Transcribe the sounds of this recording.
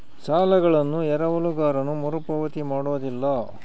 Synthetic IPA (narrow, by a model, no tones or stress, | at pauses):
saːlɐɡɐɭɐnːuɛɾɐʋɐluɡaːɾɐnumuɾupɐʋɐt̪imaːɽoːd̪ilːɐ